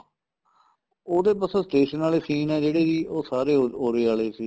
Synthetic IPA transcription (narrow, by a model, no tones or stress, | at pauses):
oːd̪eːpəsõːsʈeːʃənaːleːsiːnɛːd͡ʒeːɽeːd͡ʒiːʔoːsaːɾeːoːɾeːaːleːsiː